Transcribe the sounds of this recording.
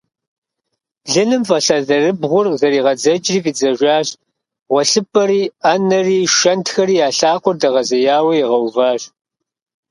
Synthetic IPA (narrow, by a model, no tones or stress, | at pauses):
ɮɨnɨmfɐɬɐzɐrɨbʁʷʊrzɐɾiːʁɐd͡zɐt͡ʃʼriːviːd͡zɐʒʷaːɕ | ʁʷɔɬɨpʰʼɐɾiːanɐriːʃɐntxɐɾiːjaːɬaːqʷʊrdɐʁɐzɐjaːwɐjiʁɐwvaːɕʼ